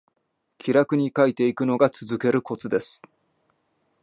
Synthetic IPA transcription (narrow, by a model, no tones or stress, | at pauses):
kʲʰiɾakɯ̟ɲ̟ikait̪e̞ikɯ̟no̞ɡat͡sɨzɨke̞ɾɯ̟ko̞t͡sɨd̪e̞sɨ̥